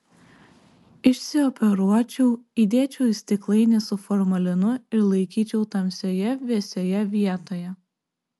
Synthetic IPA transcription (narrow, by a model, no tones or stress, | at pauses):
ɪʃʲsʲɪɔpʲɛɾuɔt͡ʃʲuːid̪ʲeːt͡ʃʲɛʊsʲt̪ʲɪklˠɐɪnʲɛsʊfɔɾmɐlʲɪnʊɪɾlˠɐɪkʲiːt͡ʃʲɛʊt̪ɐmʲsʲoːjɛʋʲiɛsʲojɛʋʲiɛt̪oːjɛ